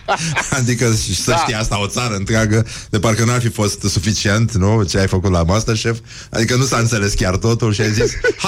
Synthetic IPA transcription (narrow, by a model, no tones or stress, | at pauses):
ad̪ikəʃisəʃt̪ijeast̪ao̞t̪saɾəɨnt̪ɾɪaɡəd̪eparkənuarfifo̞st̪sufit͡ʃie̞nt̪nut͡ʃeajfəkut̪lamast̪ərʃef | a̰d̪ikənusaɨnt̪se̞le̞skʲart̪o̞t̪ulʃiajzis